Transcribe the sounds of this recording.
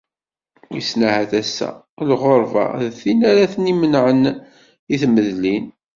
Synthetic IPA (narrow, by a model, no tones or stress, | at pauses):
isnahæθæsːæ̰ | lʁoɾˤva̰ðθinæɾæθənimənʕən | iθməðlin